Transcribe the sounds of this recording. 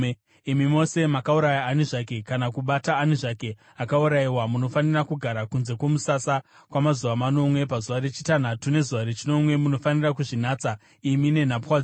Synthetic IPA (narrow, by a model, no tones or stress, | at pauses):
imimo̞se̞makauɾajaːniʐake̞kanakuɓataːniʐake̞ | akauɾaiwamuno̞fanirakuɡʱaɾakunze̞kwo̞musasa | kwamazuʋamano̞mwe̞pazuʋaɾet͡ʃi̥tan̤atune̞zuʋaɾet͡ʃino̞mwe̞muno̞fanirakuʐinaːt͡sa | imine̞n̤apxwad͡z